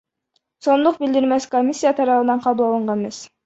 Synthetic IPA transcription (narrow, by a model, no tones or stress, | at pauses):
sond̪ʊqbɪlʲd̪ɪɾmɛskʰomisijɑt̪ʰɑɾɑfɨnɑnqʰɑbulˠɑlˠɨɴʁɑmɛs